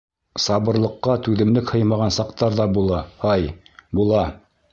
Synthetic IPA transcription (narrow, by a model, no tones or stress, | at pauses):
sɑβɤ̆ɾlˠɤ̆qːɑt̪ʉðɘ̆mlɘkhɤ̆jmɑʁɑnsɑqt̪ɑɾðɑbulˠɑhɑjbulˠɑ